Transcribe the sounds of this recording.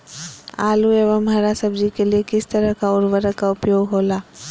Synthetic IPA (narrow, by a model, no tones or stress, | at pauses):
aːlueːʋəməɾasəbd͡ʒikeliekɪst̪əɾəɦkaʊɾʋəɾəkaʊpjoːɡɦoːlaː